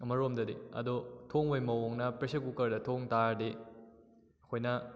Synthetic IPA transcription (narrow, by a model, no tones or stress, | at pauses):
ɐmɐɾomdɐdeɐ̰dotʰoŋojmɐwoŋnɐpɾesɐkukɐɾdɐtʰoŋtaɾde | kʰojnɐ